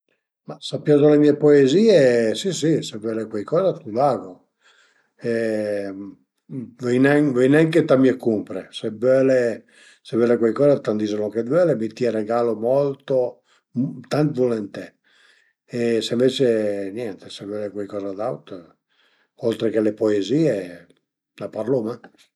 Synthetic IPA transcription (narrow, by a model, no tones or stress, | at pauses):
masapːjaːd̪olemiepoeziːesisisevɛlekwajkɔːzat̪ulaːɡo | ɛ | vɛjnɛŋvɛjnɛŋket̪amiekumpɾesɛbɛle | sevɛlekwɛjkɔːzat̪and̪izoloŋked̪vɛlemit̪iɛɾeɡaːlomɔlt̪o | t̪ant̪volɛnt̪ɛ | eseɱvet͡ʃenjɛnt̪e̥sevɛlekwɛjkɔːzad̪awt̪ | ɔlt̪ɾekelepoeziːe | lapaɾloma